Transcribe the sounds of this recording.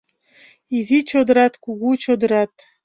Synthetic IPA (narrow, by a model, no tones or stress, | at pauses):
izit͡ɕod̪ə̆ɾɑt̪kuɣut͡ɕod̪ə̆ɾɑt̪